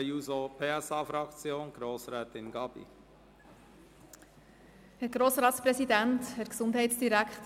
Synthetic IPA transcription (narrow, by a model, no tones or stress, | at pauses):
juːzopʰeːɛsɑːfɾɑkt͡sjoːnɡ̥ɾoːsʁɛːtɪnɡɑb̥ḭ | hæɾɡ̥ɾoːsɾɑːtspɾɛsid̪ænthɛɾksʊnd̪ɦɛɪtsd̥iɾækχt